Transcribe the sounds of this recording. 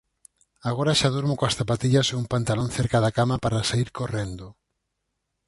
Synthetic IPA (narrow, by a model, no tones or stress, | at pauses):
aɣoɾaʃaðuɾmokoasθapat̪iʎaseumpant̪alonθeɾkaðakamapaɾasaiɾkorend̪ʊ